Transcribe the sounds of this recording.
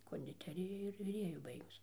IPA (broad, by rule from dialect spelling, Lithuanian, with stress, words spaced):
koːnʲdʲɪˈtʲæːrʲɪjɛ ɪr ʋʲɪˈrʲeːjʊ ˈbɐɪɡʊs